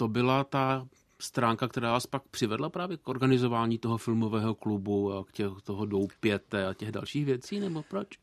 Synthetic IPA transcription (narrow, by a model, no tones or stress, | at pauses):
t̪o̞bɪlat̪a | st̪ɾaːŋkakt̪ɛɾaːvaːspak̚pr̝̥ɪvɛdlapɾaːvjɛkʔo̞ɾɡanɪzo̞vaːɲiːt̪oɦofɪlmo̞vɛːɦo̞klubuakcɛxt̪oɦodowpjɛt̪ɛacɛɣda̰lʃiːxvjɛt͡siːnɛbo̞pɾot͡ʃ